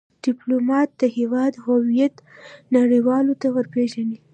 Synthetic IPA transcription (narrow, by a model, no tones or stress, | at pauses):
ɖ̥ɪplomɑt̪̚d̪̥əhewɑd̪huwijat̪naɽiwɑlot̪awəɾpeʒani